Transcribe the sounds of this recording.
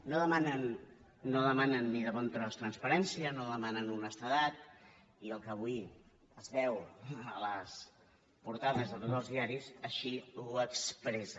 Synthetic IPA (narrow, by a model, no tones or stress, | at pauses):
noðəmanənː | oðəmanənːiðəβɔnt̪ɾɔst̪ɾənspəɾɛnsiənoðəmanənunəst̪əðat̪̚ | iəlˠkəβ̞ui | əzβɛwələs | puɾt̪aðəzðət̪ot̪zəlˠzðiaɾisəʃiuəkspɾɛzə